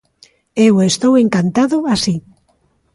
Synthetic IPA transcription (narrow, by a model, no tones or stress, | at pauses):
ewest̪oweŋkant̪aðʊasi